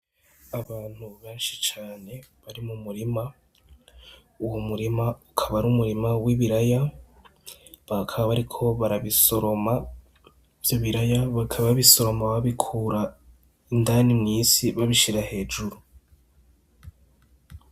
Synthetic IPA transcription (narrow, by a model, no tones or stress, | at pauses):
aβaːn̥huβeːnʃit͡ʃaːne̞ | βaɾimumuɾima | uwomuɾimaukʰaβaɾumuɾimawiβiɾaja | βakʰaβaβaɾikʰo̞βaɾaβiso̞ɾo̞ma | v̥joβiɾajaβakʰaβββiso̞ɾo̞maβaβikʰuːɾa | indanimŋiːsiβaβiʃiɾahe̞ːd͡ʒuɾu